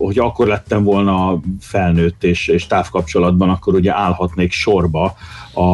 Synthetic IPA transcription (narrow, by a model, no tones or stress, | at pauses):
hocʰɒkːo̞rlɛt̪ːɛɱvo̞lnɒfɛlnøːt̪ːeːʃeːʃt̪aːfkɒpt͡ʃo̞lɒd̪bɒnɒkːo̞ɾuɟɛʔaːlhɒt̪neːkʃo̞rbɒɒ